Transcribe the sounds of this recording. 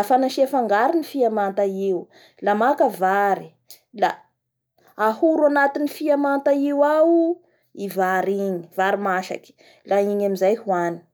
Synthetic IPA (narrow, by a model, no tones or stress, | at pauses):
afanaʃiafaŋɡaɾinifiamant̪aiw | lamakəvaɾi̥ | la | ahuɾuanat̪inifiamant̪aiwawu | ivaɾiɲivaɾimaʃa̰kʲi̥ | laiɲamizajhuani̥